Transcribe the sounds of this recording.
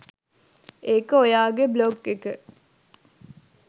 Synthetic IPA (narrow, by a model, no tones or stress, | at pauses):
eːkəojaːɡebloɡekə